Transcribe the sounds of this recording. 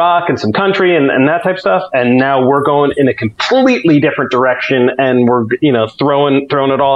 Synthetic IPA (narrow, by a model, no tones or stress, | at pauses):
ɑkɨ̃nsʌ̃mkʰʌ̃nt͡ʃɹ̥iɨ̃nɨ̰̃nðətʰaɪpʌ̥stʌfɨ̃nːaʊwɪɹɡoʊɪ̃ŋɪ̃nɨkʰm̩pʰl̥liʔˡlidɪfɹɨ̃nd̥ə˞ɛkʃɨ̃nɨ̃nwɪɹjɨñoʊθɹoʊɪ̃ŋθɹõʊɪ̃ŋəɾɔ